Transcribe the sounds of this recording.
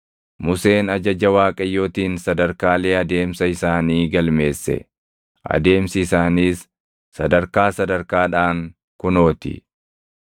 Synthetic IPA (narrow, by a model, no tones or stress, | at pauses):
mʊse̞ːnɐd͡ʒɐd͡ʒɐwaːkʼɐjːo̞ːt̪iːnsɐd̪ɐɾkaːle̞ːɐd̪e̞ːmsɐɪsaːniːɡɐlme̞ːsːɛ̰ | ʔɐ̰d̪e̞ːmsɪɪsaːniːsː | ɐd̪ɐɾkaːsɐd̪ɐɾkaːᶑaːŋ | kʊno̞ːt̪ɪ̰